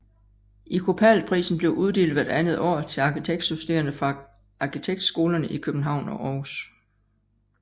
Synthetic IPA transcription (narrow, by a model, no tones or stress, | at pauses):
ʔikʰo̝pʰælpʰʁḭːsn̩b̥le̝ʊʔuð̞ˠd̥e̝ːld̥ʋæɐd̥ænð̩ˠɒ̰ːt͡sʰe̝lɑ̈kʰit͡sʰeɡ̥d̥susd̥eːɐnəfʁɑ̈ | ɑ̈kʰit͡sʰeɡ̥̚d̥sɡ̥o̝ːlɐnəʔikʰøb̥n̩ɦɑ̈ʊ̰nɒ̽ʔɒːs